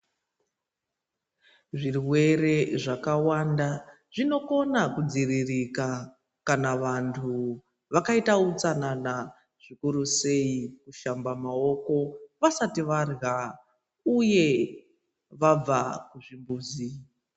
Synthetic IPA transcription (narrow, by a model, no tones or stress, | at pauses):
ʐirwe̞re̞ʐakawanda | ʐino̞ko̞nakud͡ziririka | kanaʋantʰu | ʋakaitaut͡sanana | ʐ̥ikuɾuse̞ikuʃambamao̞ko̞ʋasatiʋarɣa | uje̞ | ʋab͡vakuʐimbuːzi